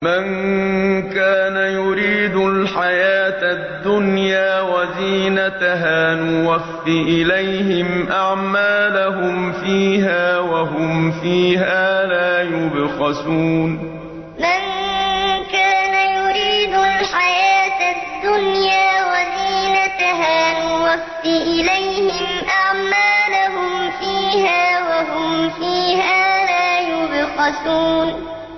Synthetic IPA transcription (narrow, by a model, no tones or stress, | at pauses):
man | kaːnajʊɾiːd̪ʊlħajaːt̪ad̪ːʊnjaːwaziːnat̪aɦaːnʊwafːiʔɪlajhɪmʔaʕmaːlahʊmfiːɦaːwaɦʊmfiːɦaːlaːjʊbɣɑsuːn | man | kaːnajʊɾiːd̪ʊlħajaːt̪ad̪ːʊnjaːwaziːnat̪aɦaːmɪlwaft̪ɪʔɪlajhɪmʔaʕmaːlahʊmfiːhaːwaɦʊmfiːhaːlaːjʊbɣɑsuːn